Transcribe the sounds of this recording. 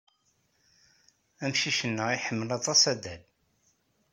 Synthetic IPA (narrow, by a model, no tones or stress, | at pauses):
æmʃiʃənːəʁiħəmːəlɑt̪ˤɑsæd̪æl